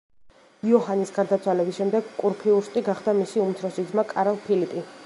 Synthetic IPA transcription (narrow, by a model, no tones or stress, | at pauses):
iɔɦanisɡaɾd̪at̪sʰwalɛbisʃɛmd̪ɛɡkʼuɾpʰiuɾʃt̪ʼiɡaχd̪amisiumt̪ʰɾɔsid̪zmakʼaɾalˠpʰilipʼi